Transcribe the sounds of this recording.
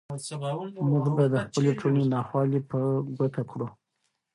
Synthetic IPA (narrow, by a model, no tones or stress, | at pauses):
mʊɡbajd̪əxpəleʈʰolenɑxwɑlipəɡat̪akɽu